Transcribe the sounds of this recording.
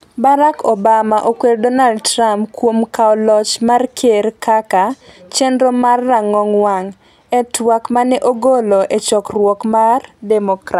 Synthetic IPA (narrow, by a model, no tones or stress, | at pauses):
baɾakobamaʔokweɾdɔnaldtɾampkwomkaɔlɔt͡ʃmarkʰeɾkʰakat͡ʃɛndɾɔmarːaŋːɔŋwaŋ | ɛtwakmanɛʔoɡoloʔet͡ʃɔkrwɔkmardɛmɔkɾat